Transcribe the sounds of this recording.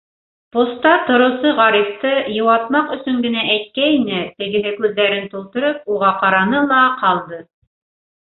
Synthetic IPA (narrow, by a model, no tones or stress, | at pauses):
post̪ɑt̪ŏɾŏwsɤʁɑɾift̪ɤjɤ̆wɑt̪mɑqɵ̆sɵŋɡɘ̆næʔæjt̪̚kæinɘt̪ɘ̆ɡɘ̆ɦɘkʉðːæɾɘnt̪ulˠt̪ŏɾɤp̚uʁɑqɑɾɑnɤlˠɑqɑlˠd̪ɤ